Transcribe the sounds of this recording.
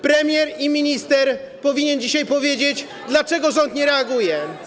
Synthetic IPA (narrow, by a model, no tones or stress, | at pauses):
pɾɛmʲjɛɾimʲiɲist̪ɛɾ | pɔvʲiɲɛnd͡ʑiɕajpɔvʲjed͡ʑet͡ɕ | d̪lat͡ʂɛɡɔʐɔnt̪ɲɛɾɛaɡujɛ